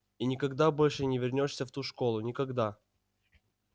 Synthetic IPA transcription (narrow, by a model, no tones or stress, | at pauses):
inʲɪkɐɡd̪abo̞lʲʂɨnʲɪvʲɪrnʲoʂsʲəft̪uʂko̞lˠʊnʲɪkɐɡd̪a